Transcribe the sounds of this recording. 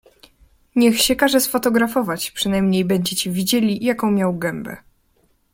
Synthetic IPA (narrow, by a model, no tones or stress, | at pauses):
ɲɛxɕɛkaʐɛsfɔt̪ɔɡɾafɔvat͡ɕpʂɨnajmɲejbɛɲd͡ʑɛt͡ɕivʲid͡ʑelʲijakɔ̃w̃mʲjawɡɛmbɛ̰